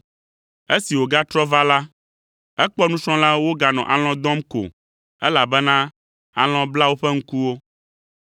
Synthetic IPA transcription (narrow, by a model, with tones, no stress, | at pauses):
e˦si˨wo˨ɡa˦t̪ɾɔ˦va˦la˦ | ɛ˦k͡pɔ˦nũ˦t͡ʃɔ̃˦la˦wo˦ɡa˨nɔ̰̃˨ʔa̰˨l̃ɔ̃˦d̪ɔ̃˦mko̰˨ | ɛ˦la˨bɛ˦nã˦ | a̰˨l̃ɔ̃˦bla˦wo˦ɸɛ˦ŋ̩˦ku˦wo˦